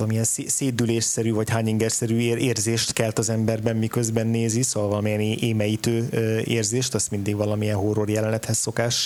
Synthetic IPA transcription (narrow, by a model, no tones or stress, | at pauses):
lɒmijɛnseːseːd̪ːyleːʃsɛɾyːvɒchaːɲiŋɡɛrsɛɾyːeːrzeːʃt̪kɛlt̪ɒzɛmbɛrbɛmmikø̞zbɛnːeːzisovɒlvɒlɒmiɛnːʔeːmɛjit̪øːeːrzeːʃt̪ɛst̪mind̪iɡvɒlɒmijɛnɦoro̞rjɛlɛnɛt̪hɛsːo̞kaːʃ